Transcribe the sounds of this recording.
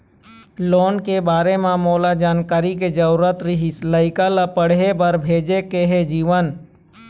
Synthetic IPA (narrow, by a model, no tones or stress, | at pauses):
loːnkebaːɾemẽmoːlad͡ʒaːnkaːɾiked͡ʒəɾuɾət̪ɾɪɦisləɪkalapəɽ̤ɦebəɾbʱeːd͡ʒekeɦed͡ʒiːʋən